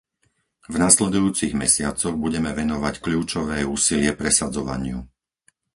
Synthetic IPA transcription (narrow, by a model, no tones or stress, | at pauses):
vnaslɛd̪ujuːt͡siɣmɛ̰sɪat͡sɔɣbuɟɛmɛʋɛnɔʋackʎuːt͡ʃɔʋɛːuːsilɪɛpɾɛsad͡zɔʋa̰ɲɪu